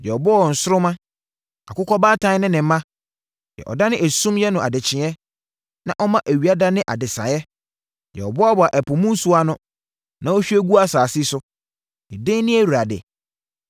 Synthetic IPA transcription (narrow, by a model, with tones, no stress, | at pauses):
jɛ˨ɔ˨bɔ˦ɔ˨n̩˨sʊ˦ɾʊ˦mã˦ | a̰˨kʊ˦kʰɔ˦baː˦tʰã˦nɪ̃˦nɪ̃˨m̩˦mã˦ | jɛ̰˨ʔɔ̰˨da˦nɪ̃˦ʔæ˨sũ˦mjɛ˦nʊ̃˨ʔa̰˨dɪ˨t͡ɕʰɪ̃˨ɛ˦ | nã̰˦ʔɔ˦mã˦ʔæ˨ɥi˨a˦da˦nɪ̃˦ʔa̰˨dɪ˨sã̰˨jɛ˦ | jɛ̰˨ɔ˨bɔ˦ɔ˦bɔ˨a˨ʔæ˨pʰʊ˨mũ˦su˦a˦nʊ̃˦ | nã˦ɔ˦ɕᶣi˦æ˦ɡu˦a˦saː˨sɪ˦sʊ˦ | ɪ˨dɪ̃˦nɪ̃˦æ˦˨u˨ɾa˨dɛ̰˨